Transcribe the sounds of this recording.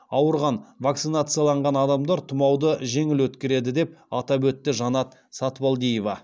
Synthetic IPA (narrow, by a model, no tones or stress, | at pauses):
ɑwəɾʁɑnvak̚t̪sɨnat̪sɨjalˠɑɴʁɑnɑd̪ɑmd̪ɑɾt̪ʰʊmɑwd̪əʒe̞ŋɪlwɵt̪kʲeɾe̞d̪ɪd̪e̞p̚ɑt̪ɑbɵt̪ːɪʒɑnɑt̪ | sɑt̪wolˠd̪ijevɑ